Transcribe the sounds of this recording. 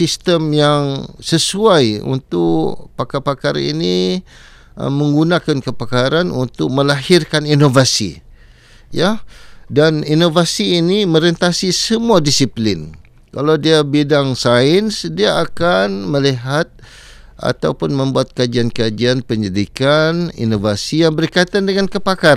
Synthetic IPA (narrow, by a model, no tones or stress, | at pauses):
sist̪əmjaŋsəsuajṵnt̪ʊkpakapakaɾaḭni | mə̃ŋɡunãkankəpakaɾanunt̪ʊk̚məlaɦirkaninovasḭ | jadaninovasiːnimə̃ɾənt̪asisəmuadisiplɪn | kalawdiabidaŋsaɪnsdiaakanməliɦat̪̚ | ʔa̰t̪awpʊnmə̃mbuat̪̚kad͡ʒiankad͡ʒianpəɲədikanḭnovasijaŋbərkait̪andəŋankəpakaɾ